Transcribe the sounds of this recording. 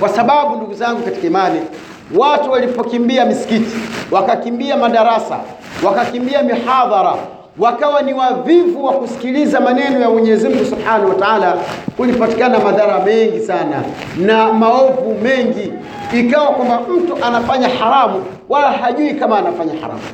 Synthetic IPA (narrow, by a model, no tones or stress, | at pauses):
kwasaɓaɓunduɡuzaŋɡukati̥kaimani | watuwalipɔkimbiamisi̥kiti̥wakakimbiamaɗaɾasa̰ | wakakimbiamihaðˤɑɾa | wakawaniwavivuwakusi̥kilizamanɛnɔjamwɛɲɛzim̩ŋɡusubħanahuwataaːlakulipati̥kanamaðaɾamɛŋɡisana̰ | namaɔvumɛŋɡi | ikawakwambam̩tuʔanafaɲahaɾamu | walaɦaʄuikamaːnafaɲaha̰ɾa̰mu